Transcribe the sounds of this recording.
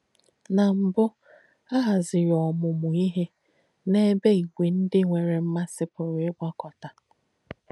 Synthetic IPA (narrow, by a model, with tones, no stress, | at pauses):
na˨m̩˨bʊ˦ | a˦ɦa˨zɪ˨ɾɔ˨mʊ˨mʊ˨i˦ɦe˦ | ne˦be˦i˨ɡʷi˨n̩˦dɪ˦ŋʷe˨ɾe˨m̩˦ma˦sɪ˦pʊ˨ɾɪ˦ɡ͡bʷɔ˦kɔ˨ta˨